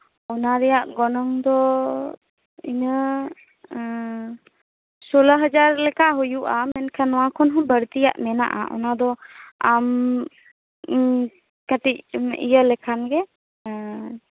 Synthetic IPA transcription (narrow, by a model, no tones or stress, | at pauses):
ɔnaɾɛjaʔɡɔnɔŋd̪ɔ | iɲə | soləɦəd͡ʒaɾlɛkaɦujuʔamɛnkʰanɔwakʰɔnɦɔ̃bəɾt̪ijaʔmɛna̰ʔa̰ʔɔ̰nad̪ɔam | kəʈicmʔijəlɛkʰanɡɛ